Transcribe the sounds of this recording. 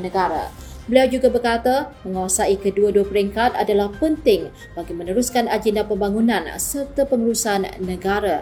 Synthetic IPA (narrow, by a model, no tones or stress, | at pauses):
nəɡaɾa̰ | bəliawd͡ʒuɡabərkat̪amə̃ŋawasaikəduaduapəɾiŋkat̪adalahpənt̪ɪŋ | baɡimənəɾuskanad͡ʒɛndapəmbaŋunãnsərt̪apəŋuɾusanːəɡaɾa